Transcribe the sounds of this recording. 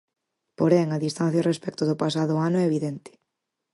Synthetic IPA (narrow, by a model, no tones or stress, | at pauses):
poɾɛŋaðist̪ãn̟θjarespɛkt̪ʊðʊpasaðʊanʊɛeβiðɛnt̪ɪ̥